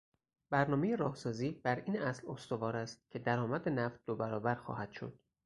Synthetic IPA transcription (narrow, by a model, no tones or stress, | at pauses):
bæɾnɒːmejeɾɒːhsɒːziːb̥æɾiːnʔæslost̪o̞vɒːɾæst̪̚cʲʰe̞d̪æɾɒːmæd̪enæft̪̚d̪obæɾɒːbæɾxɒ̰ːhæd̪̥ʃo̞̰d̪̥